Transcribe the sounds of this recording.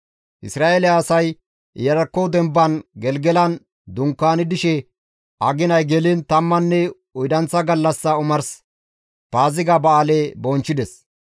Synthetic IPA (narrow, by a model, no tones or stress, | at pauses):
ʔɪ̰sɾaːʔelɛɐːsɐj | jɐɾɐkːɔwd̪ɛmbːɐnɡɛlɡɛlɐn | d̪ʊŋkːaːnɪd̪ɪʃɛ | ʔɐɡɪnɐjɡɛlint̪ɐmːɐnːɛ | ʊjd̪ɐnt͡sːɐɡɐlːɐsːɐʊmɐɾs | paːzɪɡɐbɐaleːbɔnt͡ʃːɪd̪ɛs